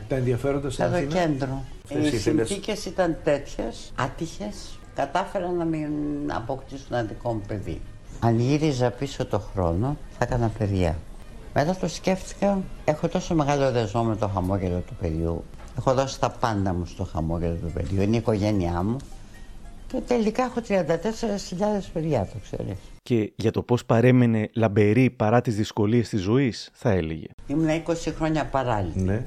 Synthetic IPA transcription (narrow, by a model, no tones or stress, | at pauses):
t̪ɐenðiɐfeɾond̪ɐsɐt̪oce̞nd̪ɾo | isinθice̞sit̪ɐnt̪e̞t̪çe̞sɐt̪içe̞s | kɐt̪ɐfe̞ɾɐnːɐminɐ̰po̞kt̪isunɐnðiko̞mupe̞ðḭ | ɐnʝiɾizɐpiso̞t̪o̞xɾo̞no̞θɐkɐnɐpe̞ðʝɐ̰ | me̞t̪ɐt̪o̞sce̞fθi̥kɐe̞xo̞t̪o̞so̞me̞ɣɐloðezmomet̪o̞xɐmo̞ʝe̞lo̞t̪upe̞ðʝṵe̞xo̞ðo̞si̥t̪ɐpɐnd̪ɐmust̪o̞xɐ̰mo̞ʝe̞lo̞t̪upe̞ðʝuineiko̞ʝe̞niɐmu | cet̪e̞likɐexo̞t̪ɾiɐnd̪ɐt̪e̞seɾesçiʎɐðe̞speðʝɐt̪okse̞̰ɾḭsce̞ʝɐt̪o̞po̞spɐɾe̞mene̞lɐbe̞ɾipɐɾɐt̪izðisko̞lie̞st̪izo̞isθɐe̞lḛʝe̞̰imunɐiko̞sixɾo̞ɲɐpɐɾɐʎine